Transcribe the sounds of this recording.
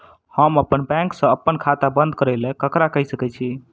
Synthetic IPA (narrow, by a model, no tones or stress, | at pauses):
həməpːənbɛ̃ŋksə̃əpːənkʰat̪abə̃nd̪̚ʱkəɾɛlẽkəkɾakəɦisəkɛt͡ʃʰi